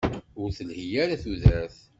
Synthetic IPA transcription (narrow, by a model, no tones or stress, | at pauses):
ʊɾθəlhijaɾaθuðɾæθ